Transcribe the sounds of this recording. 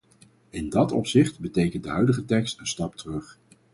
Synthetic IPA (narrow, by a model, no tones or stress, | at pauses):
ɪndɑtɔ̰psɪχtbətejkəntdəɦœɥdəχətɛkstənstɑptərɵχ